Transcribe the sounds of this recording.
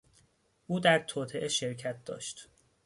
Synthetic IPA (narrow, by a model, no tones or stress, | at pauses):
ʔuːd̪æɾt̪ʰoːt̪ʰe̞ʔeʃeɾcʰæt̪̚d̪ɒ̰ːʃt̪